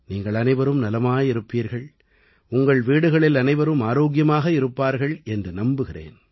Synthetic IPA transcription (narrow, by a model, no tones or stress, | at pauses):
niːŋɡɐɭɐnɐɪʋɐɾɯmnɐlɐmaːjɪɾɯpːiːɾɣɐɭ | ʊŋɡɐɭʋiːɽɯɣɐɭɪlɐnɐɪʋɐɾɯmaːɾoːkɪjɐmaːɣɐɪɾɯpːaːɾɣɐɭɛndrɯnɐmbɯɣɪrḛːn